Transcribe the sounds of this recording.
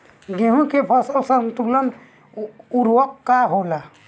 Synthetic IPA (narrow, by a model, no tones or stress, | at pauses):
ɡeɦũkepʰɔsəlsənt̪uklən | uɾwɔkːaɦola